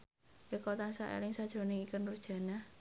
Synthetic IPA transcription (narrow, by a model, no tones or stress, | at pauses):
ekɔt̪asaʔḛlɪŋsad̥ʒ̥ɾo̤nɪŋikənud̥ʒ̥a̤na